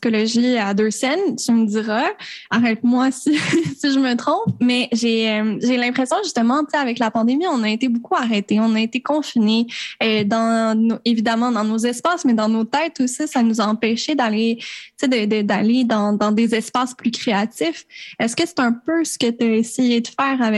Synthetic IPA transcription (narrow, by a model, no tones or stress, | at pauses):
ssi̥kɔlɔʒiad̪øsɛnt̪yməd̪iʁaaʁɛt̪mwasisiʒəmət̪χɔ̃pmɛʒeœmʒelɛ̃pχesjɔ̃ʒyst̪əmɑ̃t͡seavɛklapɑ̃d̪emiɔ̃naet̪ebokʰuaʁet̪eɔ̃naet̪ekɔ̃fineød̪ɑ̃noevid̪amɑ̃d̪ɑ̃nozɛspaːsmɛd̪ɑ̃not̪ɛt̪usisanuzaɑ̃pɛʃed̪alet͡sed̪əd̪əd̪aled̪ɑ̃d̪ɑ̃d̪ezɛspasplykχeat̪ifɛskəse̥t̪ɛ̃pøsə̥kət̪yaesejed̪əfɛːʁavɛ